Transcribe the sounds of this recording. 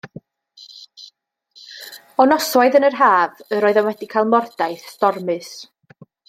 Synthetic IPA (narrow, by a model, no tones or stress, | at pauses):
ɔnɔswaɨðənərɦaːvəɾɔːɨðɔnwɛdikʰaɪlˠmɔrd̥ajθstɔrmɨs